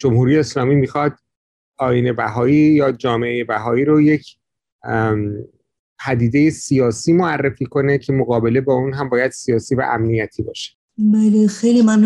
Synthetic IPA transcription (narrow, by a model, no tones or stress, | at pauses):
d͡ʒo̞mhuːɾijeːslɒːmiːmixɒd̪̚ | ɒːjiːne̞bæɦɒːiːjɒːd͡ʒɒːmeʔejebæɦɒːiːɾoje̞cʰ | pʰæd̪iːd̪e̞je̞sijɒːsiːmoærːefiːkʰo̞ne̞cʰe̞moɣɒːbe̞le̞bɒːunɦæmbɒːjæd̪̥sijɒːsiːvæ̰ʔæmnijæt̪ʰiːbɒ̰ːʃe̥ | bæːlexejlimamn